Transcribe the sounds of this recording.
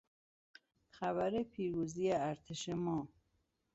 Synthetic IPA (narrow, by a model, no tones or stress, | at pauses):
xæβæɾepʰiːɾuːzijeæɾt̪ʰeʃemɒː